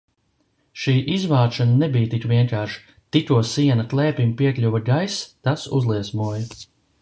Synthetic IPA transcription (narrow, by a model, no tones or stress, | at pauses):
ʃiːʔizvaːʃananɛbijt̪ikʋiɛŋkaːɾʃ | t̪it̪uɔsiɛnɐk̪lˠɛːpimpiɛklʲuvaɡajst̪asṵzlˠiɛsmuɔjɐ